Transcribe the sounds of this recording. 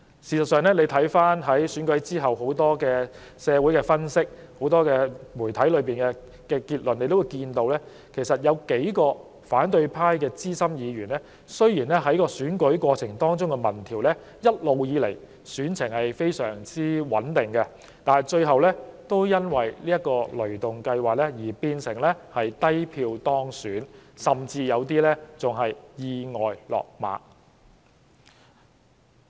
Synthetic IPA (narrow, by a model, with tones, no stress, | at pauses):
siː˨˩sɐ˨tsœː˨˩ŋlɛː˥ne˨˧jt̪ʰɐ˨˥jfaː˥nɦɐ˨˥jsyː˨˥nkɵ˨˥ɥt͡siː˥ɦɐ˨˩who˨˥wt̪ɔː˥kɛː˧ | sɛː˨˧wu˨˥jkɛ˧fɐ˥nsɪ˥k̚ | ho˨˥wt̪ɔː˥kɛː˧muː˨˩jt̪ʰɐ˨˥jlɵ˨˧ɥpiː˨nkɛ˧ | kɛː˧kiː˧t̚lɵ˨ne˨˧jt̪o˥wu˨˧jkiː˧nt̪o˧wlɛː˥ | kʰe˨˩jsɐ˨t̚jɐ˨˧wke˨˥jkɔː˧ | faː˨˥nt̪ɵ˧ɥpʰaː˥jkɛː˧t͡siː˥sɐ˥mjiː˨˧ɥyː˨˩nlɛː˥ | sɵ˥ɥjiː˨˩nlɛː˥ɦɐ˨˥jkɔː˧syː˨˥nkɵ˨˥ɥkʷɔː˧t͡sʰɪ˨˩ŋt̪ɔː˥ŋt͡sʊ˥ŋkɛ˧mɐ˨˩nt̪ʰiː˨˩wlɛː˥ | jɐ˥t̚lo˨wjiː˨˧le˨˩j | syː˨˥nt͡sʰɪ˨˩ŋhɐ˨jfe˥jsœː˨˩ŋt͡siː˥wɐ˨˥nt̪ɪ˨˩ŋkɛ˧ | t̪aː˨jt͡ʃɵ˧ɥɦɐ˨wlɛː˥t̪o˥wjɐ˥nwɐ˨jliː˥jɐ˥kɔː˧lɵ˨˩t̪ʊ˨ŋkɐ˧jwaː˨k̚lɛ˥jiː˨˩piː˧nsɪ˨˩ŋlɛ˥hɐ˨jt̪ɐ˥jpʰiː˧wt̪ɔː˥ŋsyː˨˥nsɐ˨˩mt͡siː˧jɐ˨˧wt̪̬iː˥lɛ˥t͡sʊ˨˩ŋɦɐ˨jjiː˧ŋɔː˨jlɔ̰ː˨k̚ma̰ː˨˥